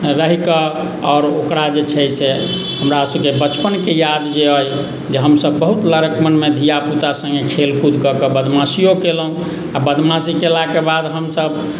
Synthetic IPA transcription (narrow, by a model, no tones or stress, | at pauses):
ɾəɦikə | ɔːɾokɾad͡ʒet͡ʃʰɛse | ɦəmɾasəbkebət͡ʃpənkejad̪d͡ʒeəj | d͡ʒeɦəmsəbːəɦut̪ləɾəkmənmed̪ʱijaput̪asə̃ŋɡekʰelkud̪ʱkəkəbəd̪ʱmasijokelɦũ | abəd̪ʱmasikelakebad̪ɦəmsəb